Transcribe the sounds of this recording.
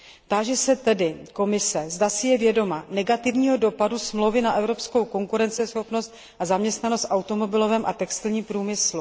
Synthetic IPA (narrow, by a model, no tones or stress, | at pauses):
t̪aːʒɛsɛt̪ɛdɪko̞mɪsɛzdasɪjɛvjɛdo̞manɛɡat̪ɪvɲiːɦodo̞padusmlowvɪnaʔɛvɾo̞psko̞wko̞ŋkuɾɛnt͡sɛsxo̞pno̞st̪̚ | ʔazamɲɛst̪nano̞st̪ʔawt̪o̞mo̞bɪlo̞vɛmʔa̰t̪ɛkst̪ɪlɲiːmpɾuːmɪslu